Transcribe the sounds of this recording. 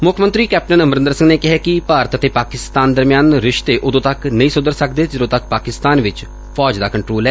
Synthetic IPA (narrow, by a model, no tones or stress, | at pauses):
mʊkʰmənt̪ɾiːkɛːp̚ʈənəmɾɪ̃nd̪əɾsɪ̃ŋɡneːkɪɦɛːkɪpaːɾət̪ət̪eːpaːkɪst̪aːnd̪əɾmjaːnɾɪʃt̪eːʔʊd̪õːt̪əknəĩːsʊd̪əɾsəkd̪eːd͡ʒədõːt̪ək̚paːkɪst̪aːnʋɪt͡ʃ | pʰɔːd͡ʒd̪aːkəɳʈɾoːlɛː